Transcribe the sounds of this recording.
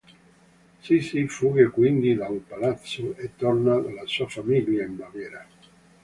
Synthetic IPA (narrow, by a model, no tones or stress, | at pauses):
sisifuɣekwind̪iðaumpalat̪suet̪oɾnalasuafamiljaemːaβeɾa